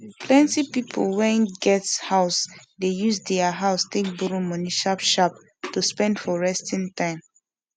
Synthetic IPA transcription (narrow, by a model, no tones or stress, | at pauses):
pʰlɛ̃ntipipʰo̰lwɛ̃nɡɛthaʊsdejusdɛaɦaʊstek̚buɾumɔniʃapʃap | tuspɛ̃ndfɔɹɛstĩntãɪ̃m